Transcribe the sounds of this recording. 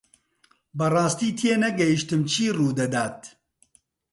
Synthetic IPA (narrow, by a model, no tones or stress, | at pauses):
bɨrɑːst̪iːt̪ʰieːnɛɡɛjiʃt̪ɨmt͡ʃʰiːruːd̪ɐd̪aːt̪̚